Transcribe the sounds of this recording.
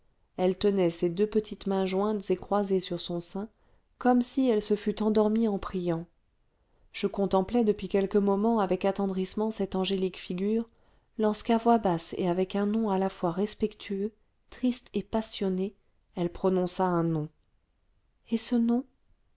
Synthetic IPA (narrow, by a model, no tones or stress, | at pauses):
ɛlt̪ənɛsed̪øpət̪ʰit̪mɛ̃ʒwɛ̃t̪z̥ekχwazesyʁsɔ̃sɛ̃ | kɔmsiɛlsəfyt̪ɑ̃d̪ɔʁmiɑ̃pχijɑ̃ | ʒ̥əkɔ̃t̪ɑ̃plɛd̪əpɥikʲɛlkəmɔmɑ̃avɛkat̪ɑ̃d̪ʁismɑ̃sɛt̪ɑ̃ʒelikfiɡʲyːʁ | lɔʁskavwabasḛavɛkɛ̃nɔ̃alafwaʁɛspɛkt̪ʰyø | t̪χist̪epasjɔne | ɛlpχɔnɔ̃saɛ̃nɔ̃ | ɛsənɔ̃